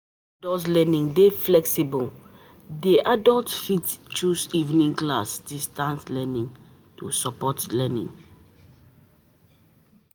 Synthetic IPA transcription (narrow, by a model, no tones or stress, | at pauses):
dɔslɛnĩŋdeflɛksibul | deʔadɔltfitt͡ʃusivnĩŋklasdistãnslɛnĩŋ | tusɔpɔtlɛnḭ̃ŋ